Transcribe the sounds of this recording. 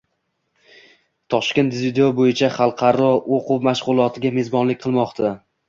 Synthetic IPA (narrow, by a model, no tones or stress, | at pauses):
t̪ʰɒʃkʲe̞nt̪zvɪd̪eobojɪt͡ʃʰaχɑlˠqʰɑɾɒoqʰʊwmaʃʁʊlˠɒt̪ʰɪɡʲame̞zbɒnlɪk̚ʲqʰɨlˠmɒqt̪ʰa